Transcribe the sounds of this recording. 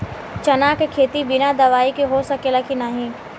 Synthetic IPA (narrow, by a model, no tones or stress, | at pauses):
t͡ʃɐnaːkekʰeːt̪ibɪnad̪ɐʋaːikeɦosɐkelakinaːɦĩː